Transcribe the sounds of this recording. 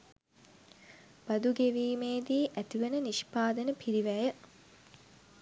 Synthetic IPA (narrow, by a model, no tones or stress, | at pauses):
b̥ɐd̪uɡeʋiːmeːd̪iːʔæt̪iʋənəniʃpaːd̪ənəpʰiɾiʋæjə